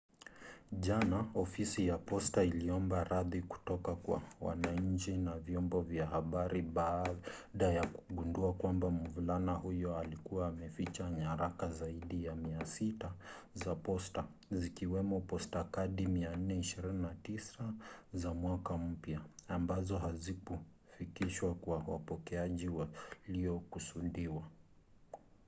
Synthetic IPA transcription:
ʄanaɔfisijapɔstailiɔmbaɾaðiku̥tɔkakwa̰wa̰naɲ̩t͡ʃinavjɔmbɔvjahaɓaɾiɓa | ɗajakuɠunduakwambamuvulanahujɔalikuwaːmɛfit͡ʃaɲaɾakazaiɗijamiasita | zapɔsta | zikiwɛmɔpɔstakaɗimian̩nɛiʃiɾininatisazamwakam̩pjaːmbazɔɦazikɔ | fikiʃwakwawa̰pɔkɛaʄiwaliɔkusuɗiwa

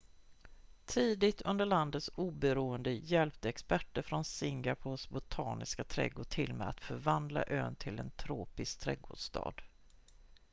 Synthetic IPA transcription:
t̪ʰiːd̪ɪt̪ʰɵnd̪əɭand̪ət̪suːbɛɾuːənd̪əjɛlp̚t̪əɛkspæʈːəɾfɾɔnsɪŋɡapʰoːʂbʊt̪ʰɑːnɪskat̪ʰɾɛ̰ɡoːʈʰɪlmɛːa̰t̪fœɾvand̪la̰ʔøːnt̪ʰɪlɛnt̪ʰɾoːpɪskt̪ʰɾɛɡoːɖʂt̪ɑ̰ːd̪

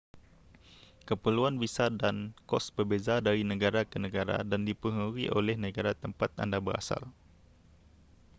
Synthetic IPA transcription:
kəpəluanbisadankɔsbərbezadaɾinə̃ɡaɾakənə̃ɡaɾa̰dandipəɦuɾiʔo̰lɛhnə̃ɡaɾat̪əmpat̪̚a̰ndabəɾa̰sa̰l

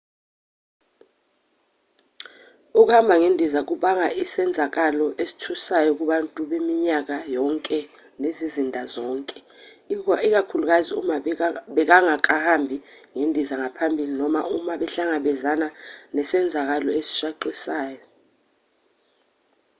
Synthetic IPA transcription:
uk̬uhambʱaŋendʱizak̬uɓaŋaʔisɛnd͡zʱak̬alɔʔesi̥tʰusajɔk̬uɓantʼuɓemiɲak̬ajɔŋkʼɛ | nezizindʱazɔːŋkʼɛiik̬akʰuluk̬aziumaɓɛk̬aŋak̬ʼahambʱiŋendʱizaŋapʰambʱilinɔma̰umaɓɛɬaŋaɓɛzananɛsɛnd͡zʱak̬alɔesi̥ʃaǃisaːjɔ

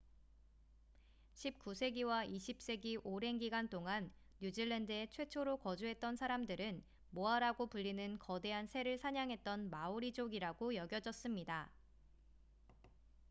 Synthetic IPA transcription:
ɕʰip̚k͈usʰe̞ɡiwaiɕʰip̚s͈e̞ɡiʔoɾe̞nɡiɡant͈oŋanː | ud͡ʑiɭːendɯe̞t͡ɕʰwe̞t͡ɕʰoɾokʌd͡ʑuɦe̞t̚t͈ʌnsʰaɾamdɯɾɯn | moaɾaɡopuʎːinɯnkʌde̞ɦansʰe̞ɾɯɭsʰaɲaŋɦe̞t̚t͈ʌnmauɾid͡ʑoɡiɾaɡojʌɡjʌd͡ʑʌs͈ɯmɲida

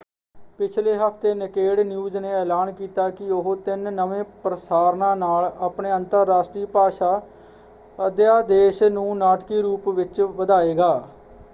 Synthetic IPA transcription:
pɪt͡ʃʰleːɦəpʰt̪eːnəkeːɽnjuːzneːɛːlaːnkiːt̪aːkɪʊɦt̪ɪnːəʋẽːpɾəsaːɾnãːnaːlaːpɳeːənt̪əɾːaːsʈɾiːpaːʃaː | əd̪jaːd̪eːʃnũːnaːʈkiːɾuːpʋɪt͡ʃʋəd̪aːeːɡaː

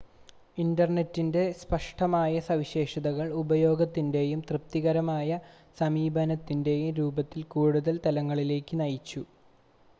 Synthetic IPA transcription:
indɐrne̞tːinde̞spɐʂʈɐmaːjɐsɐʋiɕe̞ːʂɐðɐɣɐɭubɐjo̞ːɡɐt̪ːinde̞jumt̪rɨp̚t̪iɣɐɾɐmaːjɐ | sɐmiːbʱɐnɐt̪ːinde̞jumɾuːbɐt̪ːilkuːɽuðɐlt̪ɐlɐŋːɐɭile̞ːkʲːɨnɐjit͡ɕːu

